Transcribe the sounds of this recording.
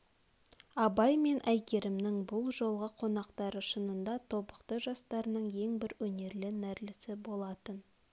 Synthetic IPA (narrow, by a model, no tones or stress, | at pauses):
ɑbɑjme̞nʔæjkʲe̞ɾɪmnɪŋbʊlˠʒo̞lˠʁəqʰo̞nɑqt̪ɑɾəʃənənd̪ɑt̪ʰo̞bəqt̪əʒɑst̪ɑɾənəɴje̞ŋbɪɾwɵne̞ɾlɪnæɾlɪsɪbo̞lˠɑt̪ən